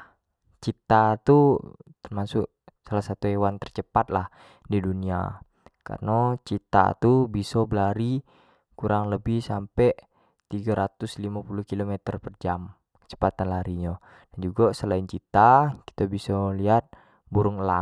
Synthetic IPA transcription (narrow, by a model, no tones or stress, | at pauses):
t͡ʃit̪at̪ut̪ərmasʊʔ | salahsat̪uewant̪ərt͡ʃəpat̪̚lah | didunia̰ | ka̰rnot͡ʃit̪a̰t̪ubisobəlaɾi | kuɾʔaŋləbɪhsampɛ | t̪iɡaɾat̪ʊslimapuluhkilomɛt̪ərpərd͡ʒam | kə̥t͡ʃə̥pat̪anlaɾiɲa | dand͡ʒuɡasəlaint͡ʃit̪aki̥t̪abisoliat̪̚ | buɾʊŋla